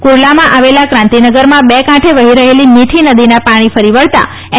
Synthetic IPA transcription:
kuɾlamãʔaʋelakɾãnt̪inəɡəɾmãbekãʈʰeʋəɦiɾəɦeliniʈʰinəd̪inapaɽ̃ifəɾiʋəɭt̪a̰

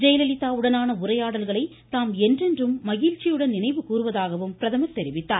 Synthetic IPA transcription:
d͡ʒɐjlɐlɪt̪ːaːɯɽɐnaːnɐʊɾɐjaːɽɐlɣɐɭɐɪ | t̪aːmɛndrɛndrɯmːɐɣiːɻt͡ʃːɪjɯɽɐnnɪnɐɪʋɯkuːrɯʋɐðaːɣɐʋɯmpɪɾɐðɐmɐt̪ːɛɾɪʋɪt̪ːaːɾ

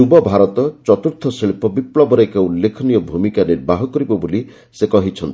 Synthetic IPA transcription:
ubɔbʱaɾɔt̪ɔt͡ʃɔt̪uɾt̪ʰɔsiɭpɔbipɭɔbɔɾejkaulːekʰɔnijɔbʱumikaniɾbʱaɦɔkɔɾibɔboli | sekɔɦit͡ʃʰɔnt̪i

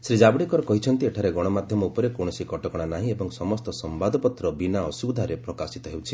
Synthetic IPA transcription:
sɾid͡ʒabɽikɔɾɔkɔɦit͡ʃʰɔnt̪ieʈʰaɾeɡɔɽ̃ɔmad̪ʱjɔmɔupɔɾekoɽ̃ɔsikɔʈɔkɔɽ̃anaɦĩebɔŋsɔmɔst̪ɔsɔmbad̪ʱɔpɔt̪ɾɔbinaɔsud̪ʱaɾepɾɔkasit̪ɔɦewt͡ʃʰi

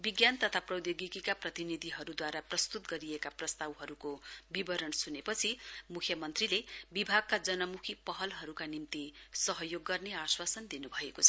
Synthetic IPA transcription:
biɡjant̪ʌt̪ʰaprʌwd̪joɡikikaprʌt̪inid̪ʱiɦʌɾud̪waɾaprʌst̪ut̪ɡʌɾiekaprʌst̪awɦʌɾukobibʌɾʌnsunepʌt͡sʰimukʰjʌmʌnt̪rilebibʱaɡ̚kad͡zʌnʌmukʰipʌɦʌlɦʌɾukanimt̪isʌɦʌjoɡːʌrneaswasʌnd̪inubʱʌekot͡sʰʌ

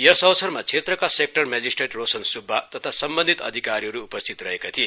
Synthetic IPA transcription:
jʌsʌwsʰʌrmat͡sʰet̪rʌkasek̚ʈʌrmed͡zisʈreʈrosʌnsubʱːat̪ʌt̪ʰasʌmbʌnd̪ʱit̪ʌ̰d̪ʱikaɾiɦʌɾuːpʌst̪ʰit̪rʌɦekat̪ʰie

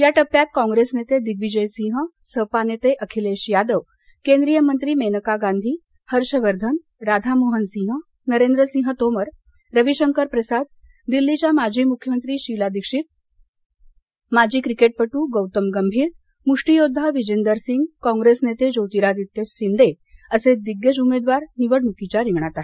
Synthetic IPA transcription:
jaʈəpːjat̪kɔ̃ŋɡɾesnet̪ed̪iɡʋid͡ʑəjsĩɦəsəpanet̪eʔəkʰileɕjad̪əʋ | kend̪ɾijəmənt̪ɾiːmenəkaɡand̪ʱiː | həɾɕəʋəɾd̪ʱən | ɾad̪ʱamoɦənsĩːɦə | nəɾend̪ɾəsĩɦət̪oməɾ | ɾəʋiɕəŋkəɾpɾəsad̪̚ | d̪ilːit͡ɕjamad͡ʑʱiːmukʰːjəmənt̪ɾiːɕilad̪ikʂiːt̪̚ | mad͡ʑʱiːkɾikeʈ̚pəʈuːɡowt̪əmɡəmbʱiːɾ | muʂʈijod̪ʱːaʋid͡ʑend̪əɾsiŋɡkɔ̃ŋɡɾesnet̪ed͡ʑowt̪iɾad̪it̪ːjəsind̪ʱe | əsed̪iɡjəd͡ʑumed̪ʋaɾniʋəɽmukit͡ɕaɾiʋɳ̃at̪aɦe

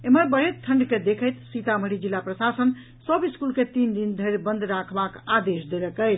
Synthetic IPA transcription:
eməɾbəɦet̪t̪ʰːəɳɖked̪ekʰəjt̪sit̪aməɽid͡ʒilːapɾəsasən | səbiskulket̪ind̪ind̪ʱəɾbənd̪ʱɾakʰbakad̪esd̪eləkəjt͡ʃʰ

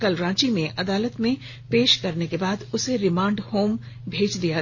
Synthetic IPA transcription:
kɐlɾãːt͡ʃimẽʔɐd̪aːlət̪mẽ | peːʃkɐɾnekebaːd̪ʊseɾɪmãːɳɖhoːm | bʱeːd͡ʒd̪ija

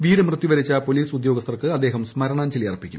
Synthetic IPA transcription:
ʋiːɾɐmrɨt̪ːjiʋɐɾit͡ɕːɐpo̞liːsud̪jo̞ːɡɐst̪ʰɐrkɨɐd̪ːe̞ːɦɐmsmɐɾɐɳaːnt͡ɕelijɐrpːikʲːṵm

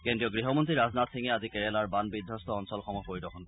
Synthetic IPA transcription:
kendɹijɔɡɹiɦɔmɔntɹiɹaznat̪siŋɛazikɛɹɛlaɹbanbid̪ʱːɔst̪ɔɔnsɔlxɔmɔpoɹidɔkʰɔnkɔ

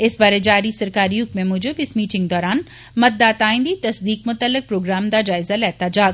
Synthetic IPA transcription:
ɪsbaːɾed͡ʒaːɾisɐɾkaːɾiɦʊkmẽmʊd͡ʒobɪsmiːʈɪ̃ŋɡd̪ɔːɾaːn | mɐt̪̚d̪aːt̪aːɪ̃nd̪it̪ɐsd̪iːkmʊt̪əlːɪk̚pɾoːɡɾaːmd̪ad͡ʒaːɪzalɛːt̪ad͡ʒaːɡ

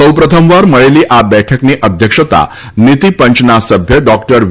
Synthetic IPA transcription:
əwpɾət̪ʰəmʋaɾməɭeliːʔabɛʈʰəkneʔəd̪ʱjəkʂət̪a̰ | nit̪ipəɲt͡ɕnasəbʱjəɖɔkʈəɾʋ

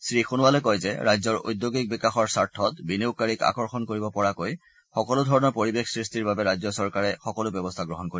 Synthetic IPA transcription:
sɹixunʊwalɛkɔjzɛɹajzɔɹo̰jdjoɡik̚bikaxɔɹsaɹtʰːɔtbinewkaɹika̰kɔɹxɔnkoɹibɔpɔɹakoj | xɔkɔlʊdʱɔɹɔnɔɹpoɹibexsɹistiɹbabɛɹajzɔsɔɹkaɹɛxɔkɔlʊbjɔbɔstʰaɡɹɔɦɔnkoɹi

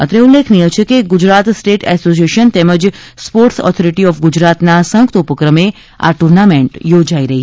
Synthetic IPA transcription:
ə̰t̪ɾeulːekʰnijət͡ʃʰekeɡʊd͡ʒɾat̪sʈeʈɛsosieʃənt̪eməd͡ʒspoɾʈsɔ̰t̪ʰɔɾiʈiɔfɡʊd͡ʒɾat̪nasə̃ŋkt̪upəkɾəme | a̰ʈuɾnamẽɳʈjod͡ʒaiɾəɦi

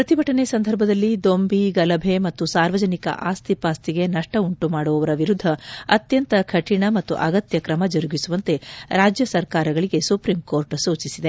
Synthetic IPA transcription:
pɾɐt̪ibʱɐʈɐne̞sɐnd̪ʱɐɾbʱɐd̪ɐlːid̪o̞mbiɡɐlɐbʱe̞mɐt̪ːusaːɾʋɐd͡ʒɐnikɐ̰ʔaːst̪ʰipaːst̪iɡe̞nɐʂʈɐuɳʈumaːɽɔʋɐʋɐɾɐʋiɾud̪ʱːɐɐt̪jɐnt̪ɐkʰɐʈʰiɳɐmɐt̪ːṵʔɐɡɐt̪jɐkɾɐmɐd͡ʒɐɾuɡisuʋɐnt̪e̞ɾaːd͡ʒjɐsɐɾkaːɾɐɡɐɭiɡe̞supɾimkoːɾʈsuːt͡ʃisid̪e̞

